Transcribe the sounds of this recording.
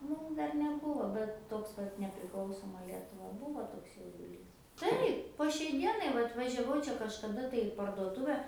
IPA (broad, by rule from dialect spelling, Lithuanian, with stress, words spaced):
ˈmuːm ˈdɐr nʲɛˈbuːʋoː bʲɛt ˈtoːks kɐt nʲɛpʲrʲɪˈklˠɐʊsoːmɐ ˈlʲiɛtʊʋɐ ˈbuːʋoː ˈtoːks jɛʊdʊˈlʲiːs ˈtɐɪp poː ʃʲɛɪ ˈdʲiɛnɐɪ ˈʋɐt ʋɐʒʲɛˈʋɐʊ ˈt͡ʃʲɛ kɐʃkɐˈdɐ tɐɪ ɪ pɐrduɔˈtʊʋʲɛ